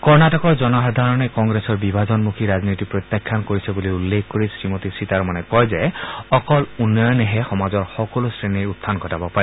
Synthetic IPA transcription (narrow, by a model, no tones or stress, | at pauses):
kɔɹnatɔkɔɹzɔnɔxɔd̪ʱaɹɔnɛkɔŋɡɹesɔɹbibʱazɔnmukʰiɹaznitipɹɔt̪jakʰːankoɹisɛbuliulːekʰkoɹisɹimotisitaɹmanɛkɔjzɛɔkɔlunːɔjɔnɛɦɛxɔmazɔɹxɔkɔlosɹeniɹut̪ʰːanɡʱɔtabɔpaɹɛ